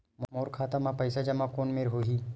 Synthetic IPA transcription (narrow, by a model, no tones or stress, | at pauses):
mmoːɾkʰaːt̪amãpɐɪsad͡ʒɐmãkoːnmeːɾɦoɦiː